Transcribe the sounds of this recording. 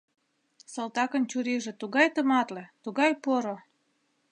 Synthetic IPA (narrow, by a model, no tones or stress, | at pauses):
sɤlt̪ɑkə̆nt͡ɕuɾiʒĕt̪uɣɑjt̪əmɑt̪let̪uɣɑjpoɾo